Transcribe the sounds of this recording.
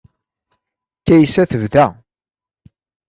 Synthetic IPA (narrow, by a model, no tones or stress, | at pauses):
kːæjsæθəvðæ